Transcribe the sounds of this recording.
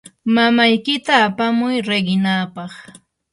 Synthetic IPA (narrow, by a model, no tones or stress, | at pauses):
mamajkɪt̪aːpamʊjɾeɢɪnaːpɑχ